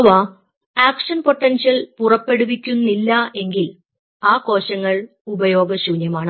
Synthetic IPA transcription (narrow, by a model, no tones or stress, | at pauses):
ʋaː | aːkʂɐnpo̞ʈːɐnɕjɐlpurɐpːe̞ɽuʋikʲːunːilːɐe̞ŋɡil | aːko̞ːɕɐŋːɐɭ | ubɐjo̞ːɡɐɕuːnjɐmaːɳɨ